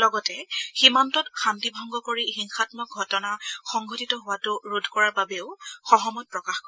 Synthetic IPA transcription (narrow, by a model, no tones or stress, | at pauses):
lɔɡɔtɛximantɔtxantibʱɔŋɡɔkoɹihiŋxatmɔk̚ɡʱɔtɔnaxɔŋɡʱɔtitɔɦʊwatʊɹudʱkɔɹababeʊxɔɦɔmɔt̚pɹɔkaxkɔ